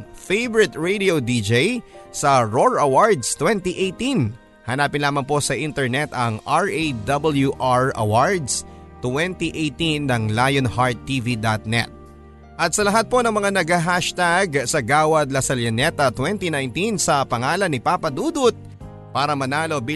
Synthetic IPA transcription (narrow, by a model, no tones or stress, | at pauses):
fejbɛɹɪt̪ɹejd̪iod̪id͡ʒejsɐɹoɹɐwaɹd̪st̪wɛnt̪iʔejt̪in | hɐnaːpɪnlaːmɐŋpo̞sɐʔint̪ɛɹnɛt̪ɐŋaɹed̪ɐbɐljuʔaɹɐ̰waɹd̪s | t̪wɛnt̪iʔejt̪inːɐŋlaːjonhaɹt̪ːivid̪at̪̚nɛ̰t̪̚ | ʔɐt̪̚sɐlɐɦat̪̚po̞nɐŋmɐŋanɐɡɐɦaʃt̪aɡsɐɡaːwɐd̪̚lɐsɐljɐnɛt̪ɐt̪wɛnt̪inajnt̪insɐpɐŋaːlɐnːɪpaːpɐd̪uːd̪ʊt̪̚ | paːɾɐmɐnaːlo̞bi